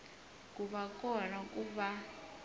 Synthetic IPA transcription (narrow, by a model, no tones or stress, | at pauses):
kʼuβakʼɔnakʼuβa